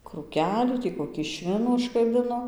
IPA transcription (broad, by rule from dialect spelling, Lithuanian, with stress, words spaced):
kruːˈkʲæːlʲuː ˈtʲiː koːˈkʲiː ˈʃʲʋʲɪnuː ʊʃkɐˈbʲɪnoː